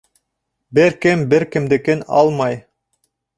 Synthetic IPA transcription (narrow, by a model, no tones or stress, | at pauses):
bɪɾkɪmbɪɾkɪmd̪ekenɑ̰lˠmɑj